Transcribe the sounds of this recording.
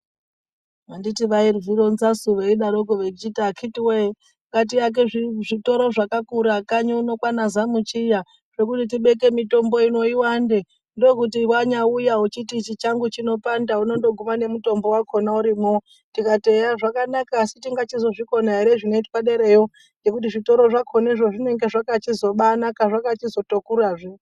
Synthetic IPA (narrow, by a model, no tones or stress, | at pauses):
anditiʋairviɾonzasuʋeiɗaɾoɡoʋed͡ʒitakʰitiwe | ŋkat̬ijak̬e̞ʐiʐito̞ɾoʐakakuɾakaɲouno̞kwanazamut͡ʃija | ʐe̞k̬utit̬iɓe̞ke̞mito̞mbo̞ino̞iwande | ndo̞kut̬iwaɲaujaut͡ʃitit͡ʃit͡ʃaŋɡut͡ʃino̞pandauno̞ndo̞ɡʱumane̞muto̞mbo̞wakʰo̞nauɾimo | tikate̞jaʐakanakaːsitiŋɡat͡ʃizo̞ʐiko̞naeɾeʐino̞itwaɗeɾejo | d͡ʒe̞kutiʐito̞ɾo̞ʐakʰo̞naeiʐo̞ʐine̞ŋɡe̞ʐakat͡ʃizo̞ɓanakaʐakat͡ʃizo̞tokuɾaʐi